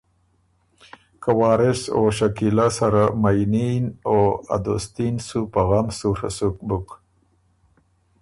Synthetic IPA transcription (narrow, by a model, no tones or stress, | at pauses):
kawɑːɾɪsoʃakilasaɾamajninoa̰d̪ost̪insupaɣamsuɾa̰suk̚buk